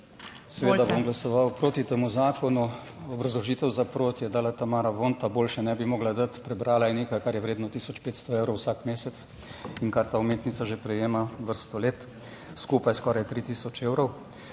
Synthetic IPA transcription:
sɛʋeːd̪abomɡlasɔʋawpɾoːt̪it̪eːmuzaːkɔnu | ɔbɾazlɔʒiːt̪ɛwzapɾoːt̪jɛd̪aːlat̪amaːɾaʋont̪aboːlʃɛnɛbimoːɡlad̪ət̪pɾɛbɾaːlajɛneːkajkaɾjɛʋɾeːd̪nɔt̪iːsɔt͡ʃpeːt̪st̪ɔeːwɾɔwsaːkmeːsɛt̪s | iŋkaɾt̪aːumeːt̪nit̪saʒepɾɛjeːmaʋəɾst̪ɔleːt̪ | skuːpajskɔːɾajt̪ɾit̪iːsɔt͡ʃeːwɾɔw

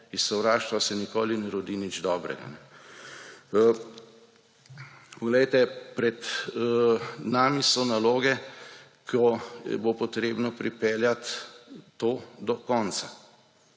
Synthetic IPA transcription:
issɔwɾaːʃt̪ʋasɛnikoːlinɛɾɔd̪inid͡ʒd̪ɔːbɾɛ̰ɡa̰nɛ | pɔɡlɛjt̪ɛpɾɛd̪ | naːmisɔnaloːɡɛ | kʰɔ̰bopɔt̪ɾeːbnɔpɾipɛːljat̪ː | oːd̪ɔkɔnsa

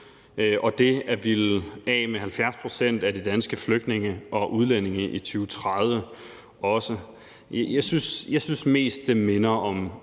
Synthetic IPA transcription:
ʔɒ̽d̥e̝æʋilɛ̰ːmeɦælfjæɐspʰʁo̝sen̰d̥æd̥id̥ænsɡ̥əfløɡ̥d̥ne̝ŋəʔɒ̽ʔuð̞ˠlen̰e̝ŋəʔit͡sʰyːʊt͡sʰʁað̞ˠʋə | ɒ̽sə | jɑ̈ɪsysjɑ̈ɪsynsme̝̰ːsd̥ːe̝me̝nɐɒ̽m

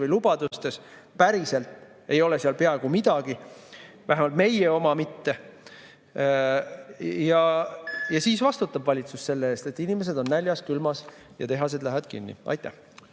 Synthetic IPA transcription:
vɯjlub̥ɑd̪̥ust̪e̞s | pæɾise̞lt̪ | e̞jo̞le̞siɑlpe̞ɑeɡumid̪̥ɑɡ̥i | væɦemɑlt̪me̞jeo̞mɑmit̪ːe̞ | jɑjɑsiːsvɑst̪ut̪ːˑɑbvɑlʲit̪susse̞lːeeːst̪e̞t̪ːˑinime̞s̬ed̪o̞nːælʲjɑskylmɑs | jɑ̰t̪e̞ɦɑs̬e̞d̪læɦævɑd̪kḭnːḭʔɑ̰jt̪ˑːæ̰h

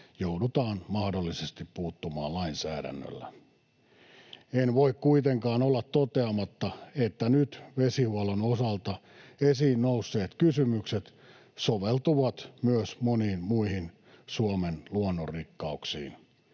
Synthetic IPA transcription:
joudut̪ɑːnmɑhdolːisest̪ippuːt̪ːumɑ̰ːllɑinsæ̰ːdæ̰nːø̰lːæ̰ | enʋoikkuit̪eŋkɑːnolːɑt̪tot̪eɑmɑt̪ːɑet̪ːænyt̪ʋesihuolonosɑlt̪ɑ | esiːnnousːeːt̪kysymykset̪ | soʋelt̪uʋɑt̪myøsmoniːnmuihin | suomenluonːorikːɑuksḭːn

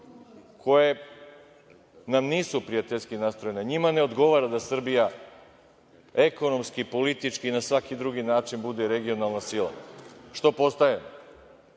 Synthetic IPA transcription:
kʰo̞je | namniːsupɾijat̪eʎʲskinast̪ɾo̞jeneɲimane̞o̞d̪ɡo̞ʋaːɾad̪asr̩bija | eko̞no̞mskipo̞lit̪it͡ʃkiːnasʋakid̪ɾuɡinaːt͡ʃinbud̪eɾeɡio̞nalˠnasilˠa̰ʃt̪o̞po̞st̪ajem

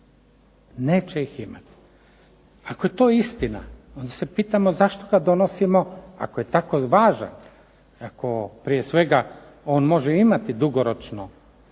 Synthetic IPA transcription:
ne̞ːt͡ʃeixima̰t̪i̥ | ako̞je̞t̪o̞ːist̪ina̰o̞nd̪ase̞piːt̪amo̞zaʃt̪o̞ɡad̪o̞nosimo̞a̰koje̞t̪ako̞ʋaːʒa̰n | ako̞pɾijesʋe̞ɡa | o̞ːnmo̞ʒeimat̪id̪uɡoɾot͡ʃno

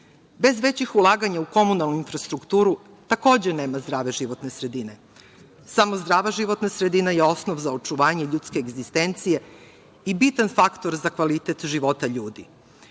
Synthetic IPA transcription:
be̞zʋe̞t͡ɕixulˠaːɡaɲauko̞munalˠnuinfɾast̪ɾukt̪uːɾu | t̪ako̞ːd͡ʑene̞ːmazd̪ɾaːʋe̞ʒiʋo̞t̪ne̞sɾe̞d̪ine | samo̞zd̪ɾaːʋaʒiʋo̞t̪nasɾed̪inajeo̞snoʋzaot͡ʃuʋaːɲeʎut̪skeːɡzist̪ent̪sije̞ | ibit̪anfakt̪o̞ɾzakʋalit̪et̪ʒiʋo̞t̪aʎuːd̪ḭ

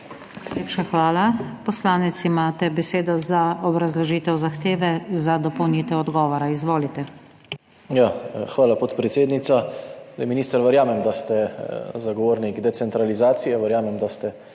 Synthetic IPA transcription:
leːpʃaxʋaːlapɔslaːnɛt̪simaːt̪ɛbɛseːd̪ɔzaɔbɾazlɔʒiːt̪ɛwzaxt̪eːʋɛzad̪ɔpɔwniːt̪ɛɔd̪ɡɔːʋɔɾaizʋoːlit̪ɛ | jaxʋaːlapot̪pɾɛt̪seːd̪nit̪saajminiːst̪əɾʋəɾjaːmɛmd̪ast̪ɛzaɡɔʋoːɾniɡd̪ɛt̪sɛnt̪ɾalizaːt̪sijɛʋəɾjaːmɛmd̪ast̪ɛ

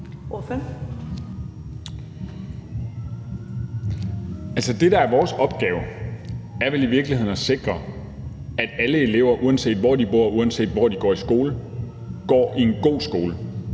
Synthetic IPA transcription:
of | ælsəd̥e̝d̥ɑ̈æɐʋɒːsɒ̽b̥̚ɡ̥ɛːʊ | æɐʋeliʋiɐɡ̥lihe̝ð̰ˠnæse̝ɡ̥ʁɐ | æd̥æləe̝le̝ʊ̰ɐʔuænse̝̰ːd̥ʋɒ̰ːd̥ib̥o̝ɐ̰uænse̝̰ːd̥ʋɒ̰ːd̥iɡ̥ɒ̰ːisɡ̥o̝ːlə | ɡ̥ɒ̰ːʔie̝nɡ̥o̝̰ːsɡ̥o̝ːlə

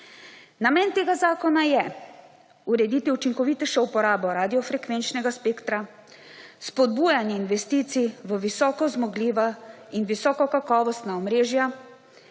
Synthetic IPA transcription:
namɛːnt̪eːɡazaːkɔnajɛ | uɾɛd̪iːt̪iut͡ʃiŋkɔʋiːt̪ɛʃɛupɔɾaːbɔɾaːd̪ijɔfɾɛkʋeːnt͡ʃnɛɡaspeːkt̪ɾa | spɔd̪buːjanjɛinʋɛst̪iːt̪siʋəʋisɔːkɔzmɔɡliːʋainʋisɔːkɔkakɔːʋɔst̪naɔmɾeːʒja

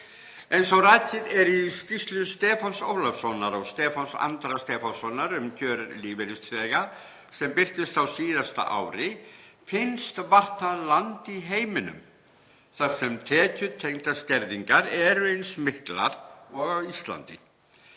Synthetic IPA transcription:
ejnsɔwraːt̪ʰɪðɛɾist̪ist̪lʏst̪ɛːfanso̰ːwlafsɔnːaɾɔɣst̪ɛːfansa̰nt̪ɾast̪ɛːfansɔnːaɾʏmcʰœːɾliːvɪɾɪst̪fɛɣa | sɛmpɪr̥t̪ɪst̪awsiːðast̪a̰ʔa̰wɾɪfɪnst̪var̥t̪alant̪iɦeːjmɪnʏ̰m | θaɾ̥sɛmt̪ʰɛːcʏt̪ʰejnt̪ascɛɾðiŋkaɾɛɾʏejnsmɪhkla̰ɾ̥ɔɣavist̪la̰nt̪ɪ̰

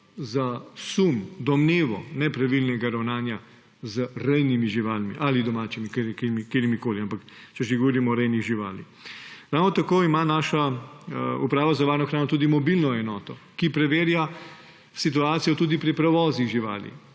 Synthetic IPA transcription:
zasumd̪ɔmneːʋɔnɛpɾaʋilnɛɡaɾawnaːnja | zəɾɛjnimiʒiʋaːlmḭʔalid̪ɔmaːt͡ʃimikeɾkmikeːɾimikoːliampak | t͡ʃɛʒeɡɔʋɔɾimɔːɾɛjniɣʒiʋa̰ːlḭxɾawnɔt̪akoːimanaːʃa | upɾaːʋazaʋaːɾnɔxɾaːnɔt̪uːd̪imɔbilnɔɛnɔːt̪ɔkipɾɛʋeːɾja | sit̪uaːt̪sijɔt̪uːd̪ipɾipɾɛʋɔːziɣʒiʋa̰ːlḭ

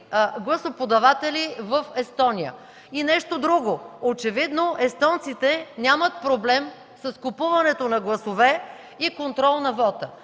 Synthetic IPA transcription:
ɡlˠɐsopod̪ɐvat̪ɛlivəfɛst̪ɔnijə̰ | inɛʃt̪od̪ɾuɡoot͡ʃɛvid̪noʔɛst̪ɔnt̪sit̪ɛnʲamət̪̚pɾoblɛm | sɐskupuvɐnɛt̪onɐɡlˠɐsovɛ | ikont̪ɾɔlˠnɐvɔt̪ə

